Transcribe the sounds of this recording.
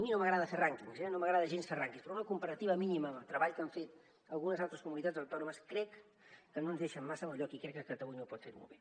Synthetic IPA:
əminoməɣɾaðəferaŋkiŋzɛnoməɣɾaðəʒensferaŋkispɾɔunəkumpəɾət̪iβəminiməmət̪ɾəβaʎkaɱfet̪ | əlˠɣunəzalˠt̪ɾəskumunit̪ad͡zd̪əwt̪ɔnuməskɾɛkː | ənonzðeʃəmːasəməʎɔkikɾɛkːəkət̪əβujnopɔt̪fḛɾmo̰lˠβe

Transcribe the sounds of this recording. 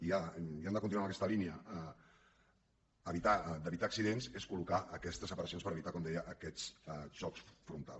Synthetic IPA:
iaiand̪əkunt̪inuaməkɛst̪əliniəə | əβit̪ad̪əβit̪aːksiðenzeskulukaʔəkɛst̪əzəpəɾəsionspəɾəβit̪akɔmd̪ɛjəʔːkɛzɛʒ̥ɔksfɾunt̪a̰l

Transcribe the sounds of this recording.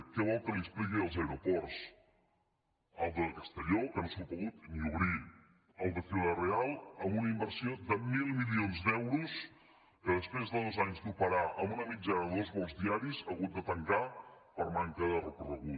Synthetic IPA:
kɛβɔlˠkəliəsplikiəlˠzəwɾupɔrs | əlˠd̪əkəst̪əʎokənosopuɣut̪miuɾi | əlˠd̪əfilərealˠəmbunəimbəɾsiod̪əmilˠmilionzd̪ɛwɾus | kəðəspɾezðəðozaɲzd̪upəɾaʔəmbunəmid͡ʒanəðəðozβɔlˠzðiaɾizəɣut̪̚d̪ət̪əŋka | pəɾmaŋkəðərəkurəɣu

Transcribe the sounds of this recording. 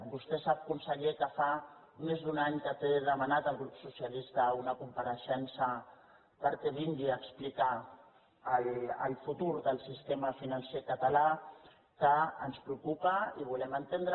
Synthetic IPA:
bust̪esap̚kunsəʎekəfa | umezd̪unaɲkət̪eðəmanat̪əlˠɣɾupsusijəlist̪əunəkumpəɾəʃɛnsə | pəɾkɛβind̪iəksplikaː | lə̰lˠfut̪uɾðəlˠsist̪emafinansekət̪ala | kəənspɾukupəiβ̞ulɛmənt̪end̪ɾə

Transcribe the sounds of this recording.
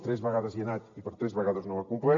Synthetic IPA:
t̪ɾɛzβeɣaðəzjenat̪ipəɾt̪ɾɛzβeɣaðoznoakumplɛ

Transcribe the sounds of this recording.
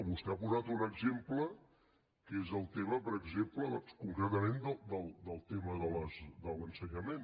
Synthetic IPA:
βust̪ɛapuzat̪unəɡzemplə | kezəlˠt̪eməpəɾəɡzempləðɔnskuŋkɾət̪əmend̪əld̪əlˠd̪əlˠt̪eməðələzd̪ələnsəɲəmen

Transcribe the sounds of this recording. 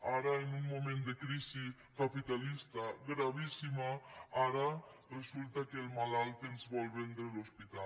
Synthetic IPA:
aɾaenuŋmomẽnd̪ekɾisi | kapit̪alist̪aɡɾaβ̞isimaaɾaresult̪akelmalalt̪enzβɔlβend̪ɾelospit̪a

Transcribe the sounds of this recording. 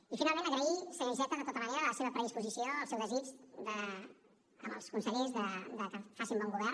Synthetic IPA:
ifinalˠmẽnəɣɾəisələnzɛt̪ənd̪ət̪ot̪əməneɾələseβəpɾəðispuzisioəlˠsɛwðəzid͡ʒd̪ə | ə̰mə̰lˠskunsəʎezðəd̪əkəfasimbɔŋɡuβɛr

